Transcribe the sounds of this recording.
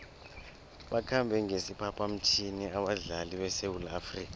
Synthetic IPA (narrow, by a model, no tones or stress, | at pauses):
ɓakʰambʱɛŋesipʰapʼʰam̩tʰiniaɓaɮaliɓɛsewulaːfriːka